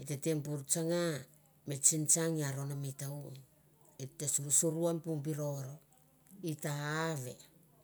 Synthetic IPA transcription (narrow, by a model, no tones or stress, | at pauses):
iteteŋp̬uɾt͡ʃaŋa | met͡ʃint͡ʃaŋiaɾo̞namitau | etːesuɾsuɾuanpuŋpiɾo̞ɾo̞ | itaːβe̞̰